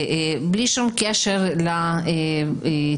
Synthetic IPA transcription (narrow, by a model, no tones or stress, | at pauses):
bliʃumkeʃeʁlae